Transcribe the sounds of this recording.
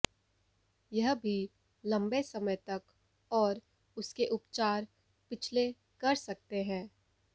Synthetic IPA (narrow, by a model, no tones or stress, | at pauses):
jɐɦbʱi | lɐ̃mbesɐməjt̪ɐk | ɔːɾ | ʊskeʔʊpt͡ʃaːɾ | pɪt͡ʃʰle | kɐɾsɐk̚t̪eɦɛ̃ː